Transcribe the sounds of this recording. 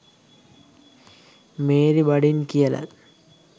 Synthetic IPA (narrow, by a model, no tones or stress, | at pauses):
meːɾibɐɽinkijɐlɐ̰l